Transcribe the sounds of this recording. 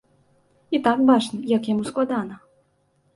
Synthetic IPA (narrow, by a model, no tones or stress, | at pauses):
it̪akbat͡ʂnɨjɐkjamusklˠad̪anɐ